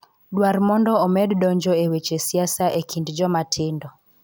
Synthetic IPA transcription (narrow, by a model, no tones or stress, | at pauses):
ɗwarmɔndɔːmɛdɗɔɲd͡ʒɔewet͡ʃesiasaʔekʰindd͡ʒɔmatʰɪndɔ